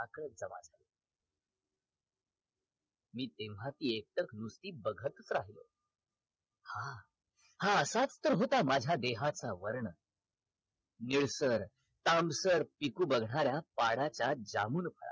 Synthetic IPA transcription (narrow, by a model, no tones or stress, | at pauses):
akɾət̪̚d͡zəʋa̰d͡zʱalo | miːt̪eʋɦat̪iːek̚t̪əknust̪iːbəɡʱət̪ət͡sɾaɦilo̰ | ha | hãəsat͡st̪əɾɦot̪amad͡ʑʱjad̪eɦat͡saʋəɾɳə | niɭsəɾ | t̪amsəɾpikuːbəɡʱɳaɾjapaɽat͡ɕjad͡za̰muːnpʰəɭa̰